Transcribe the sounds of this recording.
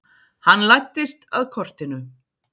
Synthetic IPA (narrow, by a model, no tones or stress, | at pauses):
hanːlajt̪ːɪst̪a̰ðkʰɔr̥t̪ɪnʏ